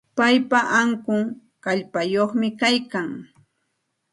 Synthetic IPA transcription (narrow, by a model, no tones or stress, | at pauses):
pajpaʔaŋkʊŋ | kaʎpajoχmɪkajkaŋ